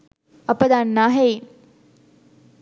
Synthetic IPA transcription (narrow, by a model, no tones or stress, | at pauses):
ɐpəd̪anːaːɦei